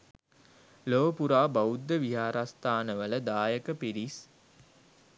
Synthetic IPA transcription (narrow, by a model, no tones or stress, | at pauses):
loːpuɾaːbaud̪ːəʋiɦaːɾast̪aːnəʋələd̪aːjəkəpiɾis